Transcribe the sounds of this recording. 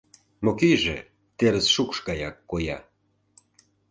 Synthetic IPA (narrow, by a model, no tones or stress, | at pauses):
mokiʒḛ | t̪eɾəsʃukʃɡɑjɑkːojɑ̰